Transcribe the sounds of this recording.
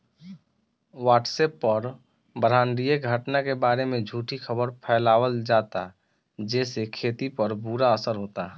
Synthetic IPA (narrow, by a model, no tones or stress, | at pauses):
waːʈseːpːɔɾ | bəɾaːnɖijeɡʱəʈnakebaːɾemẽd͡ʒʱuːʈʰixʰəbəɾpʰɛːlaːwəld͡ʒaːt̪a̰ | d͡ʒɛːsekʰeːt̪ipəɾbuɾaəsəɾɦoːt̪a